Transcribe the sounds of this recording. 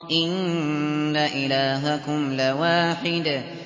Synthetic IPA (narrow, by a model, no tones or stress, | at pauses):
ʔɪnː | aʔɪlaːɦakʊmlawaːħɪd̪